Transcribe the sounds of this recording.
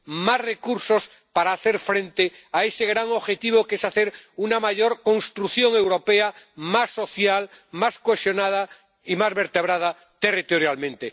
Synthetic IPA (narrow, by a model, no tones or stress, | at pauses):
masrekuɾsos | paɾaːθeɾfɾẽ̞nt̪eaeseɣɾaŋo̞βxe̞t̪iβ̞okesaθeɾunamaʝoɾko̞nst̪ɾuθjõŋe̞wɾo̞peamasːo̞θjalmaskwesjonað̞a | imazβeɾt̪eβ̞ɾað̞a | t̪e̞rit̪oɾjalmẽnt̪e